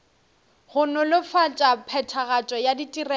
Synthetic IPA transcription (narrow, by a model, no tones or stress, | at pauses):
ɣʊnʊlɪfat͡ʃʼapʰɛtʰaɣat͡ʃʼɔjaditʼirɛ